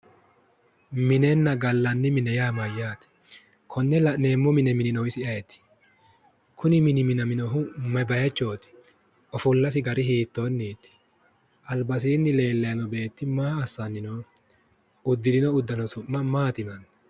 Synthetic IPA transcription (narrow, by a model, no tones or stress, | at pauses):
mɪnɛnːɐɡɐlːɐnːɪmɪnɛjaːmɐjːaːt̪ | kʰɔnːɛlɐneːmːʊmɪnɛmɪnɪnɔwɪsɪɐjɛt̪ːɪ̥ | kʰʊnɪmɪnɪmɪnɐmɪnɔɦʊmɐbɐjɐt͡ʃːo̞ːt̪ɪ̥ | ɔfʊlːɐsɪɡɐɾɪhiːt̪ːonːiːt̪ːɪ̥ | ʔɐlbɐs̬iːnːɪle̞ːlːɐjɐnɔbe̞ːt̪ːɪmaːɐsːɐnːɪno | ʊd̪ːɪd̪ɪnɔʊd̪ːɐnɔsʊʔːɐmaːt̪ɪnɐn